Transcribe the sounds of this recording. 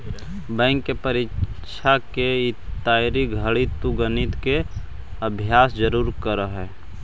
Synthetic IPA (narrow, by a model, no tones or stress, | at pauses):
bɛ̃ːŋkːepəɾɪt͡ʃʰakeɪt̪ːaːjɾiɡʱəɭit̪uɡənɪt̪ke | əbʱjaːsd͡ʒəɾuːɾkəɾəɦɛː